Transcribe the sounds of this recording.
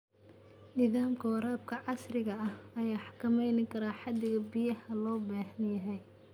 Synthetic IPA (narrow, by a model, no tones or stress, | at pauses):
nɪðaːmkʰɐwɑɾaːb̚kʰɐʕɑsrɪɣɐɐhɐjaːħɑkʰɐmɛjnɪkʰɐɾaːħɑd̪ɪɣɐbɪjɐhɐlɔːbaːhɐnjɐɦɛj